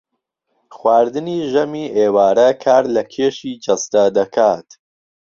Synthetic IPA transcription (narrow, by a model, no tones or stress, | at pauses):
xwaːɾd̪ɨniːʒɐmiːʔeːwaːɾɐkʰaːɾlɐkʰeːʃiːd͡ʒɐst̪ɐd̪ɐkʰaːt̪